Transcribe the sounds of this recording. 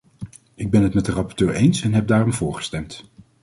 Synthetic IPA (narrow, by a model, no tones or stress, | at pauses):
ɪɡ̚bɛnɦətmɛt̚dərɑpɔɹtøːɹejnsɛnɦɛp̚daːrɔmvʊːɹχə̥stɛmt